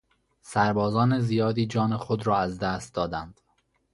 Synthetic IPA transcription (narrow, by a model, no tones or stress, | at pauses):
sæɾbɒːzɒːnezijɒːd̪iːd͡ʒɒːnexod̪ɾɒːæzd̪æːst̪̚d̪ɒːd̪ænd̪̥